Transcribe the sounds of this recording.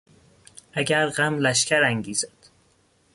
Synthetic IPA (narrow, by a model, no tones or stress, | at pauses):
ʔæɟæɾɢæmlæʃcʰæɾæŋɟiːzæd̪̥